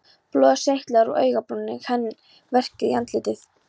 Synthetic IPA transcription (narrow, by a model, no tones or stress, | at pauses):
plɔːðseht̪laɾɔɣœ̰ːɥɣapɾunːɪ̰ɣhɛnː | vɛr̥cɪjant̪lɪːt̪ɪθ